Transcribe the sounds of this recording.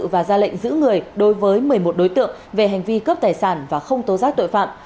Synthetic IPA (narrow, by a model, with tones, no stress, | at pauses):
vaː˨˩zaː˧lə̰˧˨ŋ̟zɨ̰˧˥ŋɨ˨˩əjɗo˨˦jvəː˨˦jmɨ˨˩əjmo˨˩t̚ɗo˨˦jt̪ɨ̰˧˨əŋve˨˩ɦɛ˨˩jŋ̟vi˧kəː˦˥p̚t̪aː˨˩jsaː˧˩nvaː˨˩xə˧wŋ͡mt̪o˨˦zaː˦˥k̚t̪o̰˧˨jfa̰ː˧˨m